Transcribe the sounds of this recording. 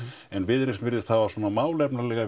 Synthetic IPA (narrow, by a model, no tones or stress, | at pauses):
ɛnvɪðɾɪsvɪɾðɪst̪havasɔːnamaːwlɛpnalɛːɣa